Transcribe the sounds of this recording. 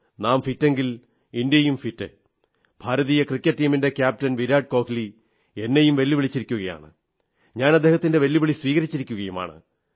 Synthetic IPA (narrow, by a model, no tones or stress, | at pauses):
naːmfitːe̞ŋɡil | indjɐjumfitːɨ̰ | b̥ʱaːɾɐðiːjɐkrikʲːɐʈːiːminde̞kʲjaːp̚tɐnʋiɾaːɖ̚ko̞ːkili | e̞nːejumʋelːiʋiɭit͡ɕːiɾikʲːuɣɐja̰ːɳɨ̰ | ɲaːnɐd̪ʱeːhɐt̪ːinde̞ʋɐlːiʋiɭisʋiːɣɐɾit͡ɕːiɾikʲːuɣɐjuma̰ːɳɨ̰